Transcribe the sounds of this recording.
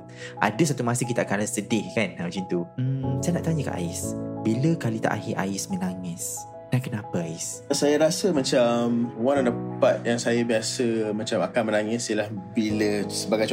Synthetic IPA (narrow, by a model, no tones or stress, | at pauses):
ʔa̰dəs̬at̪umasɪŋk̬it̪akansədɪhkanawd͡ʒint̪usajanaʔt̪aɲəka̰ʔa̰ɪsbiləkalit̪a̰ʔa̰hɪʔa̰ɪsmə̃naŋɪs | dankənapəaɪssajaɾasəmat͡ʃamwanandəpat̪̚jaŋsajabiasəmat͡ʃamakanmənaŋɪsjəlahbiləsəbaɡajt͡ʃ